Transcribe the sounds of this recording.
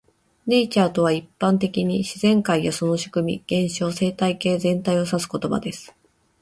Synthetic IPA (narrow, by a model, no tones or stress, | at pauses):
ne̞it͡ɕaːt̪o̞βaipːãnt̪e̞kʲiɲ̟iɕizẽ̞ŋkaijaso̞no̞ɕi̥kɯ̟mʲḭɡ̥ẽ̞ɰ̃ɕo̞ːse̞ːt̪aike̞ːzẽ̞nt̪aio̞sasɨ̥ko̞t̪o̞ba̰d̪e̞sɨ̥